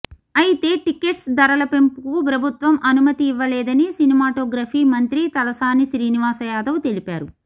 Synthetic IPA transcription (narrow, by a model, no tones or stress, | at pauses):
ɐjit̪e̞ːʈike̞ʈsd̪ɐɾɐlɐpe̞mpukup̬ɾɐbʱut̪ʋɐmʔɐnumɐt̪iːʋːɐlɛːd̪ɐnisinimaːʈoːɡɾaːfʰiːmɐnt̪ɾit̪ɐlɐsaːniʃɾiːniʋaːsɐjaːd̪ɐʋut̪e̞lipaːɾu